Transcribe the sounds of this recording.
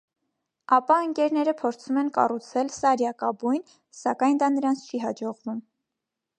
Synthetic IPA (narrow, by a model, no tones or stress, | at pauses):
ɑpɑəŋkɛɾn̪ɛɾəpʰɔɾt͡sʰumɛnkɑ̰rut͡sʰɛlsɑɾjɑkɑbujn | sɑkɑjnd̪ɑnəɾɑnt͡sʰt͡ʃʰiɦɑd͡ʒɔʁvum